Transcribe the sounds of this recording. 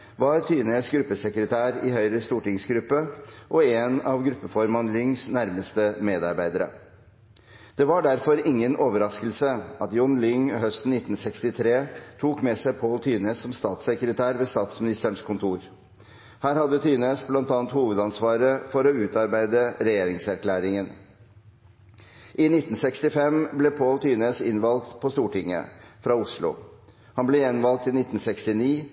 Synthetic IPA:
ʋɑɾt̪ʰyːneːsɡɾʉpːəsɛkɾət̪ʰæːɾɪhœʏɾəst̪uːʈɪŋsɡɾʉpːəʔɔeːnɑʋɡɾʉpːəfɔɾmɑnlʏŋsnæɾməst̪əmeːd̪ɑɾbæɪd̪əɾə̰ | d̪̥ɛʋɑɖæɾfɔɾɪŋːənʔoːʋəɾɑskəlsəɑt̪jɔnlʏŋhœst̪n̩ɪt̪n̩sɛkst̪ɪt̪ʰɾeːt̪ʰuːkmɛsæɪpʰoːlt̪ʰyːneːsːɔmst̪ɑːt̪sɛkɾət̪ʰæːɾʋeːst̪ɑːt̪smɪnɪst̪əɳʂkʰʊnt̪ʰuːɾ | hæːɾhɑd̪ːət̪ʰyːneːsblɑnt̪ɑːnt̪huːʋəd̪ɑnsʋɑːɾəfɔɾɔʉːt̪ɑɾbæɪd̪əɾɛjeːɾɪŋsæɾkʰlæːɾɪŋən | ʔɪnɪt̪ːn̩sɛkst̪ɪfɛmblɛpʰoːlt̪ʰyːneːsɪnʋɑlkt̪pʰɔst̪uːʈɪŋːə̰fɾɑʊslʊ̰ | hɑnblɛjɛnʋɑlt̪ɪnɪt̪n̩sɛkst̪ɪniː

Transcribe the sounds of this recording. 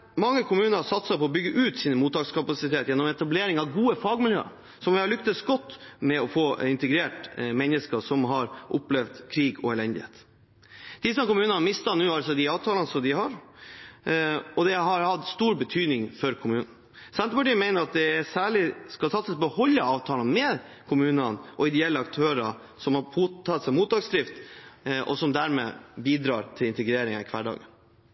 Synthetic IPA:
mɑŋːəkʰʊmʉːnəɾsɑt̪sɑpʰɔɔbʏɡːəʔʉːt̪siːnmuːt̪ːɑːɡskɑpɑsɪt̪ʰeːt̪jɛnːɔmɛt̪ɑbleːɾɪŋɑʋɡuːəfɑːɡmɪljø̰ːə̰ | sɔmʋɪhɑɭʏkt̪əsɡɔt̪ːmɛɔfoːɪnt̪əɡɾeːʈmɛnːəskəʂɔmɦɑɾʔɔplɛʋd̪kʰɾiːɡɔ̰ɛlɛnd̪ɪhḛːt̪ | d̪̥ɪsɔkʊmʉːnənɑmɪst̪ɑnʉːɑlsɔd̪ɪɑːʋt̪ʰɑːlənəsɔmd̪ɪhɑɾ | ɔd̪ɛɦɑɾhɑt̪st̪uːɾbət̪ʰyːd̪nɪŋfɔɾkʰʊmʉːnn̩ | sɛnəpɑʈiːəmæɪnəɾɑt̪̚d̪ɛsæːɭɪskɑlsɑt̪səsbəhɔlːəɑːʋt̪ʰɑːlənmɛ | kʰʊmʉːnənʔɔɪd̪ɛɛlːəɑkt̪ʰøːɾɑ | sɔmhɑpuɑt̪sɛmuːt̪̚d̪ɑːɡsd̪ɾɪft̪ʔɔ̰sɔmd̪æːɾmḛːbiːd̪ɾɑːɾt̪ʰɪlɪnt̪əɡɾeːɾɪŋɑɪkʰʋæɖɑ̰ːɡən

